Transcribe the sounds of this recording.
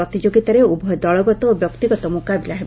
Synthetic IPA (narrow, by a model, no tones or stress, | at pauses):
ɔt̪id͡ʒoɡit̪aɾeubʱɔjɔd̪ɔɭɔɡɔt̪ɔobjɔkt̪iɡɔt̪ɔmukabilaɦe